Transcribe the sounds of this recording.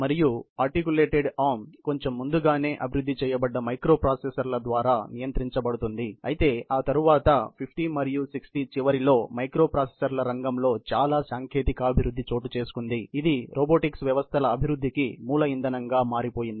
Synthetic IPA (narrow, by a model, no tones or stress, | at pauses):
mɐɾijuɐɾʈikjule̞ːʈeɖaːmko̞ɲt͡ʃe̞mːund̪uɡaːne̞ːʔɐbʱiɾud̪ʱːit͡ʃɛːjɐbɐɖːɐmɐjkɾo̞ːpɾaːsesɐɾlɐd̪ʋaːɾaːnijɐnt̪ɾiɲt͡ʃɐbɐɽut̪und̪iɐ̰jit̪e̞ːaːt̪ɐɾuʋaːt̪ɐpʰipʰʈimɐɾijusiksʈit͡ʃiʋɐɾilo̞ːmɐjkɾo̞ːpɾaːsesɐɾlɐɾɐŋɡɐmlo̞ːt͡ʃaːlaːsaːŋkʰe̞ːt̪ikɐːbʱiɾud̪ʱːit͡ʃo̞ːʈut͡ʃe̞ːsu̥kund̪iid̪iɾʔoːboːʈiksʋjɐʋɐst̪ʰɐlɐːbʱiɾud̪ːikimuːlɐind̪ɐnɐŋɡaːmaːɾipo̞ːjind̪ii